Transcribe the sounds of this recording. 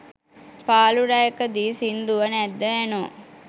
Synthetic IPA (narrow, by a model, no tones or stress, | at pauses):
paːluɾajekəd̪iːsind̪uʋənɛd̪ːəæno